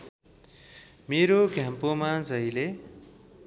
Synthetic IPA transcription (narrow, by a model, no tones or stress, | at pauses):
meɾoɡʱjãmpomad͡zʌjle